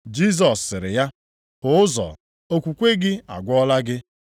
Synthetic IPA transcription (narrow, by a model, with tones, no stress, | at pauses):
d͡ʒi˦˨z̬ɔ˨sːɪ˨ɾɪ˨ja˦ | ʊ˨ʊ˦zɔ̰˨ | o˦kʷu˨kʷe˦ɡɪ˦a̰˨ɡʷɔ˦la˦ɡɪ˦